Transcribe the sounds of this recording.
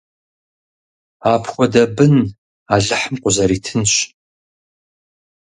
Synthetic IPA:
aːpʰxʷɔdɐbɨn | aɮɨħəmqʷʼʊzɐɾiːtʰɨnɕ

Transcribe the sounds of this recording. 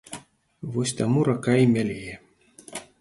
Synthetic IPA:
vɔsʲt̪amuɾakaimʲalʲejɛ

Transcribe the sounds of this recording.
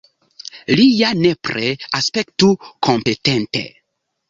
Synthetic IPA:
lijanepɾeaspe̞ktukʰo̞mpe̞tentḛ

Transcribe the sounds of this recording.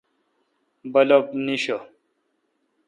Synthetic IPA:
bɐlopniɕo

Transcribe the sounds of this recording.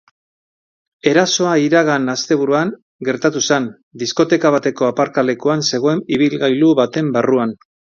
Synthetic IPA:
e̞ɾaso̞aiɾaɣ̞anast̪e̞βuɾuaŋ | ɡe̞ɾt̪at̪usen | d̪isko̞t̪e̞kaβ̞at̪e̞ko̞apaɾkale̞kuanse̞ɣ̞o̞e̞niβ̞ilɣajluβat̪e̞mbaruan

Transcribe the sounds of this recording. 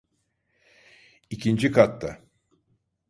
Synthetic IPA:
icʰind͡ʒikʰat̪ːa

